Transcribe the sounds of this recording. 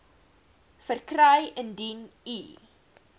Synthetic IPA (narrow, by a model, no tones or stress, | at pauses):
fərkrəjəndini